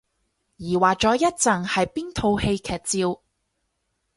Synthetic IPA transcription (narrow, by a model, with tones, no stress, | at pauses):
jiː˨˩waː˨˩k̚t͡ʃɔː˨˥jɐ˥t̚t͡sɐ˨˩ŋhɐ˨jpiː˥nt̪ʰo˧whe˧jkʰɛː˨t̚t͡siː˧w